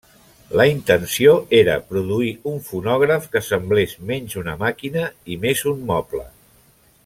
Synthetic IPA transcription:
ləint̪ənsioʔeɾə̰pɾuðuiuɱfunɔɣ̞ɾəfkəsəmblezmɛɲʲzunəmakinəimezummɔplə̰

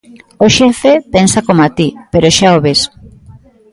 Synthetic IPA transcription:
oʃefepensakomat̪ipeɾoʃaoβes

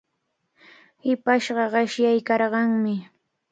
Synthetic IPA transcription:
hɪpaʃɢɑɢɑʃjajkɑɾɢɑŋmɪ

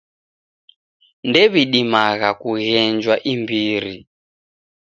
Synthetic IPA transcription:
ndɛβiɗimaɣakuɣɛnd͡ʒwaʔimbiːɾi

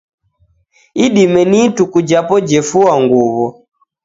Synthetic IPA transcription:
iɗimɛnitukud͡ʒapɔd͡ʒɛfuwaŋɡuβɔ

